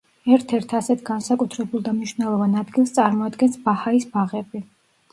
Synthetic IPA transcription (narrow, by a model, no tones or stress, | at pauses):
ɛɾt̪ʰɛɾt̪ʰasɛt̪ʰɡansakʼut̪ʰɾɛbulˠd̪amniʃvnɛlˠɔvanad̪ɡilˠst̪sʼaɾmɔad̪ɡɛnsbahaisbaʁɛbi